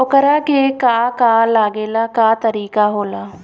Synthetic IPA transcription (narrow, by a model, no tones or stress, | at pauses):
okəɾaːkekaːkaːlaːɡeːlakaːt̪əɾiːkaɦoːlaː